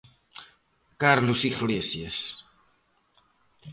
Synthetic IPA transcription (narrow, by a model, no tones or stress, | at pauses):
kaɾlusiɣlesjes